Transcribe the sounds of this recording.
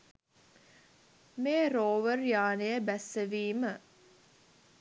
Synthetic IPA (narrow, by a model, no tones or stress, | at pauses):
meːɾoːʋərjaːnejəbæsːəʋiːmə